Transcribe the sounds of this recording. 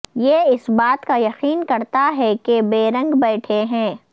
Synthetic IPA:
jeːɪsbaːt̪kajɐqiːnkɐɾt̪aɦɛkebeːɾɐ̃ŋɡbɛːʈʰeɦɛ̃ː

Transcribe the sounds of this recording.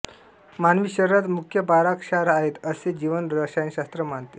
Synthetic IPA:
manʋiɕəɾɾat̪mukʰjəbaɾakɕaɾaɦet̪əsed͡ʑiʋənɾəɕajənɕast̪ɾəmaɳt̪e̥

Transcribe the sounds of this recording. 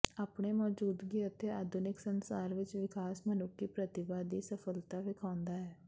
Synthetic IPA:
aːpɳeːmɔːd͡ʒuːd̪ɡiːət̪eːaːd̪ʱʊnɪksənsaːɾʋɪt͡ʃʋɪkʰaːsmənʊkːiːpɾət̪ɪbaːd̪iːsəpʰəlt̪aːʋɪkʰaːʊnd̪aːɦɛː

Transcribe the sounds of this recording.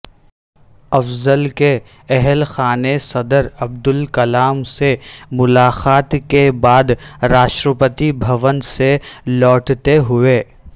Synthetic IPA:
ɐfzəlke | ɛɦlxaːnesɐd̪əɾɐb̚d̪ʊlkɐlaːmsemʊlaːxaːt̪kebaːd̪ɾaːʃʈɾəpət̪ibʱɐʋənselɔːʈt̪eɦʊeː

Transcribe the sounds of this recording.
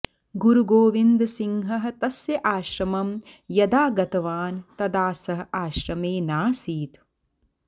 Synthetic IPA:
ɡuɾuɡoːʋind̪siŋɦɐɦɐ̆t̪ɐsjɐʔaːʃɾɐmɐmjɐd̪aːɡɐt̪ɐʋaːnt̪ɐd̪aːsɐɦɐ̆aːʃɾɐmeːnaːsiːt̪

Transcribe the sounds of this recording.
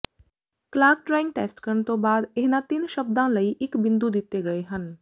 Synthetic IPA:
klaːɡ̚ʈɾaːɪ̃ŋɡ̚ʈḛːsʈkəɾnt̪õbaːd̪eɦnãt̪ɪnʃɐb̚d̪ãləiʔɪkbɪ̃nd̪ud̪ɪt̪ːeɡɐeɦən

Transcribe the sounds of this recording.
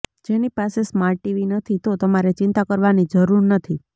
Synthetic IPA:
d͡ʒenipasesmaɾʈːiʋinət̪ʰit̪ot̪əmaɾet͡ʃɪnt̪akəɾʋanid͡ʒəɾuɾnət̪ʰi

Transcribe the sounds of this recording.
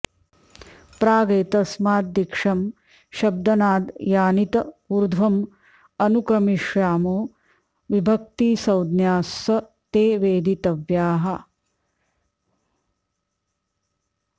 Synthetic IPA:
pɾaːɡeːt̪ɐsmaːd̪̚ːikʂɐm | ʃɐb̚d̪ɐnaːd̪jaːnit̪ɐuɾd̪ʱʋɐm | ɐnukɾɐmiʂjaːmoː | ʋibʱɐk̚t̪iːsɐwd̪njaːsʋɐ | t̪eːʋeːd̪it̪ɐʋjaːɦɐ

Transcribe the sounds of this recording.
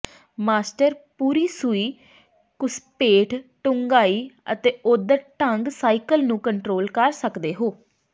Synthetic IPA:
maːsʈəɾpuːɾiːsuiː | kʊspeːʈʰʈʊŋɡaːiːə̰t̪eːʔʊd̪əɾʈəŋɡsaːikəlnũːkəɳʈɾoːlkəɾsəkd̪eːɦoː

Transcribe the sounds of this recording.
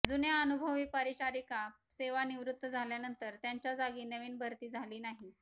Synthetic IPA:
d͡zunjaənubʱəʋiːpəɾiɕaɾikaseʋaniʋɾut̪ːəd͡zʱaljanənt̪əɾt̪jaɲt͡ɕjad͡zaɡiːnəʋiːnbʱəɾt̪iːd͡zʱaliːnaɦi

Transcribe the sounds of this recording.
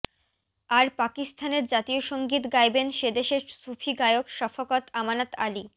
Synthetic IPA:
aɾpakist̪ʰaneɾd͡ʑat̪ioʃoŋɡit̪ɡajbenʃed̪eʃeɾsufʰiɡajokʃɔfokɔt̪amanat̪ali

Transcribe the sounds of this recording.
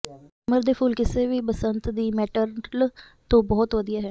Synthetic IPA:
məɾd̪eːpʰuːlkɪseːʋiːpəsənt̪d̪iːmɛːʈəɾl | t̪õːbɔːt̪ʋəd̪ijaːɦɛː

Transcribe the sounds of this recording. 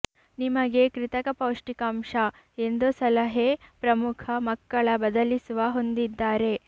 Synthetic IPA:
nimɐɡe̞kɾit̪ɐkɐpɐwʂʈikaːmʂɐ | end̪usɐlɐɦepɾɐmukʰɐmɐkːɐɭɐbɐd̪ɐlisuʋɐɦo̞nd̪id̪ːaːɾe̞

